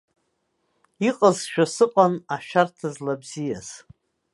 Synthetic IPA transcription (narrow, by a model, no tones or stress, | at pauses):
iqʼəzʃᶣasɨqʷʼanaʃᶣartʰazlabzijaz̥